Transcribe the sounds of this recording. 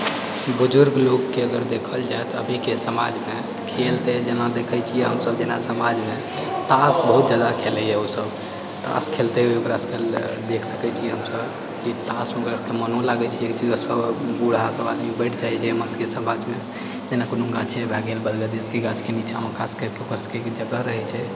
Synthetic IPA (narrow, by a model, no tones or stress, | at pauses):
bud͡ʒʊɾɡlokːeəɡəɾd̪ekʰəld͡ʒaet̪ɔə̰bʱikesəma̰d͡ʒme | kʰelt̪ed͡ʒenad̪ekʰɛt͡ʃʰijɛɦəmsəbd͡ʒenasəmad͡ʒme | t̪asbəɦut̪̚d͡ʒad̪akʰelɛjɛusəb | t̪a̰skʰelt̪eɦeokɾaskəl | d̪ekʰsəkɛt͡ʃʰijɛɦəmsəb | kit̪asmeɡəɾkemənõlaɡɛt͡ʃʰiekt͡ʃizəsəbɡuɽ̤asəbad̪mibɛɪʈʰd͡ʒaɦɛt͡ʃʰɛəmənskesəmad͡ʒme | d͡ʒenakunũŋɡat͡ʃʰɛbaɡelbəɾɡəd̪eskeɡat͡ʃkenit͡ʃʰaməkʰaskəɾkeokəɾskekd͡ʒəɡəɾəɦɛt͡ʃʰɛ